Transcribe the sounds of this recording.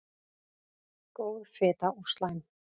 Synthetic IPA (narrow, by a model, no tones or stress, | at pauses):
koːwðfɪːt̪aust̪lajn